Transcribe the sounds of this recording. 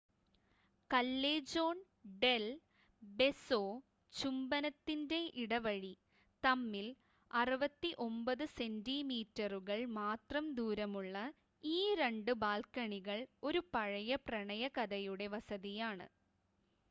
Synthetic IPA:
kɐlːeːd͡ʑo̞ːn | ɖe̞l | be̞soː | t͡ɕumbɐnɐt̪ːinde̞ʔiɽɐʋɐɻi | t̪ɐmːil | ɐrɨʋɐt̪ːiʔo̞mbɐðɨse̞ndimiːtːɐruɣɐɭmaːt̪rɐmd̪uːɾɐmuɭːɐ | iːɾeɳɖɨbaːlkɐɳiɣɐɭo̞ɾupɐɻɐjɐprɐɳɐjɐkɐðɐjuɽe̞ʋɐsɐðijaːɳɨ̰

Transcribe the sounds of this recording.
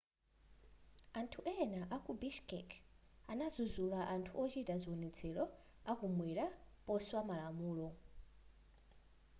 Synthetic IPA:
antʰuʔɛnaʔakubiʃkɛ̰kʰanazuzulaʔantʰuʔɔt͡ʃitʼazʷiwɔnɛt͡sʰɛɺɔ | akumwɛɾapɔswamalamuːlɔ

